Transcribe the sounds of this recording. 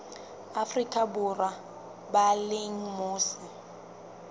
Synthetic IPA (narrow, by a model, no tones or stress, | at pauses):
afrikʼabʊra | baleŋ̩mʊːsɪ